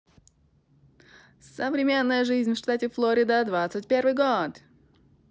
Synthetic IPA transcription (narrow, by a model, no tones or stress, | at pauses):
səvɾʲɪmʲe̞nːəjəʐɨzʲnʲfʂt̪atʲɪflˠoɾʲɪd̪əd̪vat̪sɨtʲpʲervɨjɡot̪